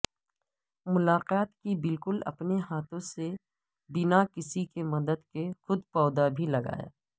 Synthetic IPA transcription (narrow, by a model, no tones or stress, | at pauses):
mʊlaːqaːt̪kibɪlkʊlɐ̰pneɦaːt̪ʰõse | bɪnakɪsikemɐd̪əd̪kexʊd̪pɔːd̪abʱilɐɡa̰ːja̰ː